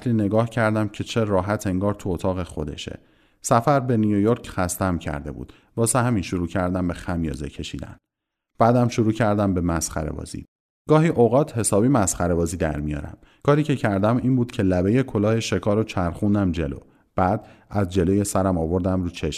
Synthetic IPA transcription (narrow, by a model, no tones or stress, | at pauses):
sliːne̞ɡɒːhcʰæɾd̪æmcʰe̞t͡ʃʰe̞ɾɒːɦæt̪ʰe̞ŋɡɒːɾt̪ʰuot̪ʰɒːɣe̞xo̞̰d̪e̞̰ʃḛ | sæfæɾbe̞nujojoɾcxæst̪æmcʰæ̰ɾd̪e̞bṵːd̪̥ | vɒːsehæminʃoɾuːcʰæɾd̪æmbexæmjɒ̰ːze̞̰cʰe̞ʃiːd̪æ̰n | b̥æːd̪æmʃoɾuːcʰæɾd̪æmbe̞mæsχæ̰ɾḛbɒ̰ːzḭː | ɡ̥ɒːɦiːʔoɣɒːt̪ʰhe̞sɒːbiːmæsχæɾe̞bɒːziːd̪æ̰ɾmijɒ̰ːɾæ̰m | kʰɒːɾiːcʰe̞cʰæɾd̪æmiːmbuːd̪̥cʰe̞læbe̞jekʰolɒːheʃe̞kʰɒːɾot͡ʃʰæɾχund̪æmd͡ʒe̞̰lo̞̰ː | b̥æːd̪æzd͡ʒe̞loːje̞sæɾæmɒːvo̞ɾd̪æmɾuːt͡ʃʰe̞ʃ